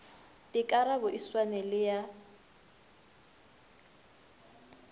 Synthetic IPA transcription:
dɪkʼaɾabʊʔiswanɛlɪja

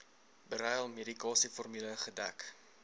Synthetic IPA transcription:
bəɾɛjəlˠmedikɑːsifɔrmyləχədæ̰k

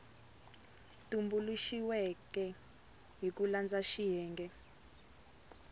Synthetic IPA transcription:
tumbuluʃiwɛkɛ | ɦik̬uland͡zaʃijɛːŋɡɛ

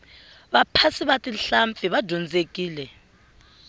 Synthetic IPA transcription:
ɓapʰasiɓatʼinɬamp̪fiɓḁdʱɔnd͡zʱek̬ʼiːlɛ

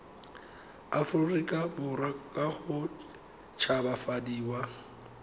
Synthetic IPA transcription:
afʊrikʼabʊɾakʼaχʊ | t͡ʃʰabafadiːwa

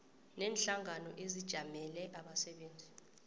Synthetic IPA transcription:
nɛːnɬaŋanɔʔezid̥ʒ̥ʱamɛlɛʔaɓasɛɓeːnd͡zʱi

